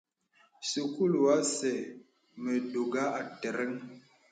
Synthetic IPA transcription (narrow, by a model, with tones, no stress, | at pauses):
sə˨ku˦lwa˦sɛ˨ | mə˨do˨ɡa˦a˨tɛ˨ɾɛ˦ŋ